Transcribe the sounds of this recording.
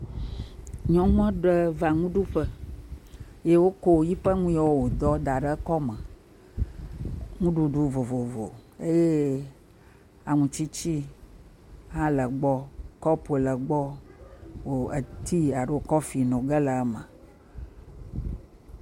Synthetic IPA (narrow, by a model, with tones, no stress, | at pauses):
ɲɔ̃˦ŋ˦ã˦ɖə˦va˨ŋũ˦ɖu˦ɸə˦ | je˦wo˦ko˦˨ji˦ɸə˦ŋũ˦ja˦wo˦wo˨d̪ɔ˦d̪a˨ɖə˦kɔ˦mə̃˨ | ŋũ˦ɖu˦ɖu˦vo˨vo˨vo̰˨e˦je˦ | a˨ŋũ˨t͡ʃi˦t͡ɕi˦ | ɦa˦lə˨ɡ͡bɔ˦kɔ˦plə˨ɡ͡bɔ˦ | wo˨e˨t̪i˦a˨ɖə˦o˨kɔ˦fi˨nõ˨ɡə˦lə˨˦mə̃˨